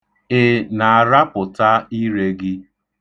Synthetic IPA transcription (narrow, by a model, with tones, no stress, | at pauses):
ɪ˦˨na˨a˨ɾa˦pʊ˨ta˦i˦ɾe˦ɡɪ˦